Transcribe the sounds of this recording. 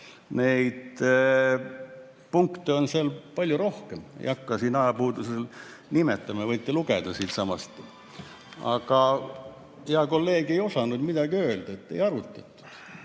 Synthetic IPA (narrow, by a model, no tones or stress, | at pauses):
nejd̪ | puŋkt̪eo̞nselpɑlʲjuɾo̞hkemḛjɑkːɑsiːnɑjɑpuːd̪usel | nimet̪ːˑɑmɑvɤjt̪ːˑeluɡ̥ed̪̥ɑsiːt̪sɑmɑst̪ | ɑ̰ɡ̥ɑ | heɑko̞lːe̞ːɡ̥e̞jo̞sɑnud̪mid̪ɑɡ̥iø̞ːld̪̥ɑet̪ːe̞̰jɑɾut̪ːˑɑt̪ːˑu̥